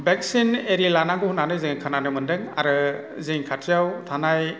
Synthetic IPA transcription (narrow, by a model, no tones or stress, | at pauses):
bek̚sineɾilanaŋɡɯhunanɯzɯŋkʰananɯmɯndɯŋa̰ɾɯ | zɯŋkʰatʰijawtʰanaj